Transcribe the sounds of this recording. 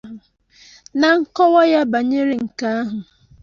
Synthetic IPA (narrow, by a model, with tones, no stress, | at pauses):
ʊ˨ | na˨ŋ̩˦kɔ˦wɔ˦ja˦ba˨ɲe˦ɾe˦ŋ̩˨ka˦a˦ɦʊ˨